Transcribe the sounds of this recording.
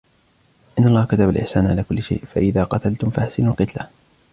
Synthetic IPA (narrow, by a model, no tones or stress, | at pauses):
ʔɪnːaɑlˤːɑːhkat̪abalʔɪ̰ħsaːnʕalaːkʊlːɪʃa̰jʔfaʔɪðaːqɑt̪alt̪ʊmfaħsɪnalqɨt̪la